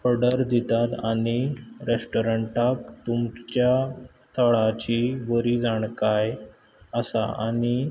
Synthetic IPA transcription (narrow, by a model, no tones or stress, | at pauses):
ɔɾɖəɾd̪it̪at̪aɽ̃iɾesʈoɾəɳʈakt̪umt͡ɕja | t̪ʰəɭat͡ɕiʋəɾiːd͡zaɳkaj | əsa̰a̰ɽi